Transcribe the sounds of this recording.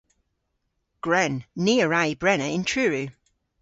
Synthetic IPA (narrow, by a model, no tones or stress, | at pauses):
ɡ̥ɹɛnːiːəɹaɪbɹɛnəɪ̃ntʰɹ̥ʉːɹʉ